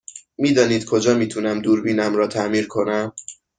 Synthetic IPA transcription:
miːd̪ɒːniːd̪̥kʰo̞d͡ʒɒːmiːt̪ʰunæmd̪uːɾbiːnæmɾɒːt̪ʰæʔmiːɾkʰo̞næm

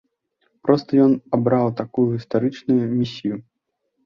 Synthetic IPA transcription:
pɾɔst̪ɐjɔnabɾawt̪akujuɣʲist̪aɾɨt͡ʂnujumʲisʲiju

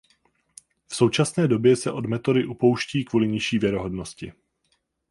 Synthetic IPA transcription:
fso̞wt͡ʃasnɛːdo̞bjɛsɛʔo̞dmɛt̪o̞dɪʔupo̞wʃciːkvuːlɪɲɪʃiːvjɛɾoɦo̞dno̞scɪ

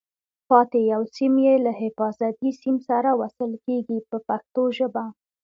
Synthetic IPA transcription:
pɑt̪ejawsimjelahɪfɑzat̪isimsaɾawasəlkeɡipəpaxt̪oʒəba

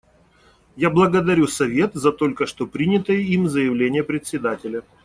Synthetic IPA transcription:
jablˠəɡəd̪ɐɾʲusɐvʲe̞t̪zɐt̪o̞lʲkəʂt̪o̞pɾʲinʲɪt̪əjəimzəjɪvlʲenʲɪjəpɾʲɪt̪ʲsʲɪd̪atʲɪlʲə

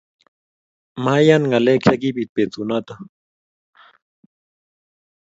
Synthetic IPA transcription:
majanŋaleksakipit̪̚pet͡sunat̪a

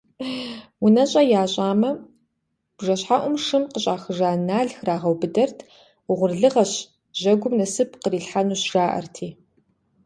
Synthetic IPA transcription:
wʊnɐɕʼɐjaːɕʼaːmɐ | b̥ʐɐɕħaʔʷʊmʂɨmqəɕʼaːxɨʐaːnaːɮxraːʁɐwbɨdɐrtʰ | wʊʁʷʊrɮɨʁɐɕ | ʑɐɡʷʊmnɐsɨp̚ʰqəriːɬħanuːɕʒaːʔɐ̰rtʰiː

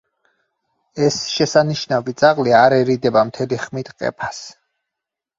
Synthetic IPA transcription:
ɛsʃɛsaniʃnavit̪sʼaʁliaɾɛɾid̪ɛbamt̪ʰɛliχmit̪ʰqʼɛ̰pʰas

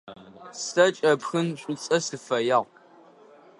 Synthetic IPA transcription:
sɐt͡ʃʼɐpxɨnɕʷʼʊt͡sʼɐsɨfɐjaːʁ

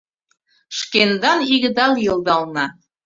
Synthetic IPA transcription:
ʃkend̪ɑniɣɘ̆d̪ɑlˠjɤ̆lˠd̪ɑlˠnɑ

